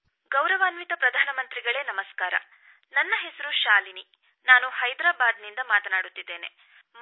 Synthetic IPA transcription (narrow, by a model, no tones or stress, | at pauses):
ɡɐwɾɐʋaːnʋit̪ɐpɾɐd̪ʱaːnɐmɐnt̪ɾiɡɐɭe̞ːnɐmɐskaːɾɐ̰ | nɐnːɐɦɛsɐɾuʃaːlini | naːnuhɐjd̪ɾaːbaːd̪nind̪ɐmaːt̪ɐnaːɽut̪ːid̪ːe̞ːne̞̰